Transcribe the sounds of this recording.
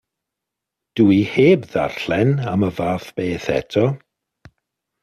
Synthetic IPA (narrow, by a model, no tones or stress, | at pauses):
d̥uiheːbða̰r̥ɬɛnaməvaːfb̥eːθɛ̰tʰɔ